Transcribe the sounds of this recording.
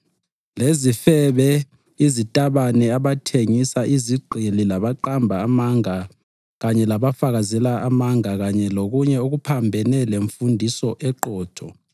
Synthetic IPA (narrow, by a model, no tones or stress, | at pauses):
lezifɛβɛ | izitʼaβanɛaβatʰeŋisaʔiziɡ͡ǃʱililaβaǃambʱaːmaŋa | ɣaɲɛlaβafaɣazɛlaamaŋaɣaɲɛloɣuɲɛuɣupʰambʱɛnɛleɱfundʱisɔʔɛǃɔːtʰɔ